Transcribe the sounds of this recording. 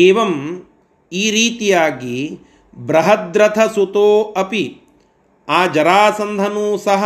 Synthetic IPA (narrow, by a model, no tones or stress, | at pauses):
eːʋɐm | iːɾiːt̪ijaːɡi | bɾɐɦɐd̪ɾɐt̪ʰɐsut̪oːɐpi | aːd͡ʒɐɾaːsɐnd̪ʱɐnuːsɐɦɐ